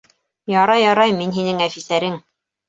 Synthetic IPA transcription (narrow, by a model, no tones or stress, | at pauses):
jɑɾɑjɑɾɑjminɦinɘŋæfisæɾɘŋ